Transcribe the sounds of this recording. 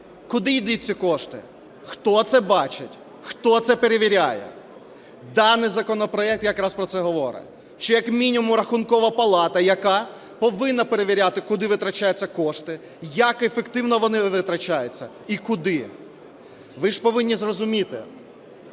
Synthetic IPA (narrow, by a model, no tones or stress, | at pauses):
kʊd̪ɪjd̪ut͡sʲːikɔʃt̪ɪ̰ | xt̪ɔt̪sɛbɑt͡ʃɪtʲ | xt̪ɔt̪sɛpeɾeʋʲiɾʲajɛ̰ | d̪ɑnːɪjzɐkɔnɔpɾɔɛk̚t̪jɐkɾaɑspɾɔt̪sɛɦɔʋɔɾɪ̰ | ʃt͡ʃɔjɐkmʲinʲimʊmɾɐxʊnkɔʋɐpɐlˠɑt̪ɐjɐkɑ | pɔʋɪnːɐpeɾeʋʲiɾʲat̪ɪkʊd̪ɪʋɪt̪ɾɐt͡ʃajʊt͡sʲːɐkɔʃt̪ɪ | jɐkefekt̪ɪwnɔʋɔnɪʋɪt̪ɾɐt͡ʃajʊt͡sʲːɐ | ikʊd̪ɪ | ʋɪʒpɔʋɪnʲːizrɔzʊmʲit̪ɪ̰